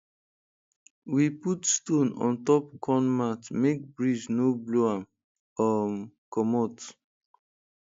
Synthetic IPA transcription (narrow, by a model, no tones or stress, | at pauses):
wiputstõnɔ̰̃ntɔp̚kʰɔ̃nmatmek̚bɹid͡ʒnobloam | ɔkɔmɔt